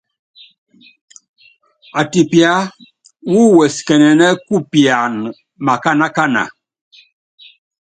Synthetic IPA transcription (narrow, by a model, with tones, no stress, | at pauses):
a˨ti˨pja˨˦ | wu˦wɛ˨skɛ˨nɛ˨nɛ˦ku˦pja˨n | ma˨ka˦na˦ka˦na̰˨